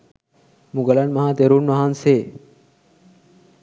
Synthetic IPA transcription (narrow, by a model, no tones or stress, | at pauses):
mũɡɐlanmɐɦãt̪eɾunmaɦanse